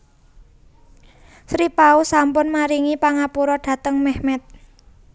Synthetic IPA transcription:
sɾipausampʊnmaɾiŋipaŋapuɾɔɖ̥ä̤t̪əŋmɛhmɛt̪̚

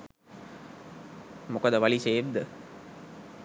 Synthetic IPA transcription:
mokəd̪əʋaliseːʋd̪ə

